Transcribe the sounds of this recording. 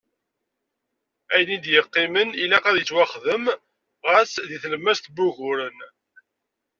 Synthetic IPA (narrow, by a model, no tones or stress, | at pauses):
æjnind̪jəqːɪmənilæqæðjət͡sːwæχðəm | ʁəsðiθləmːæst̪buʝʊɾən